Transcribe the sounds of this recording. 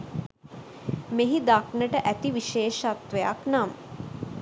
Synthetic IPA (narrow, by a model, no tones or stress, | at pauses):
meɦid̪aknəʈəʔæt̪iʋiʃeːʃat̪ʋeja̰knam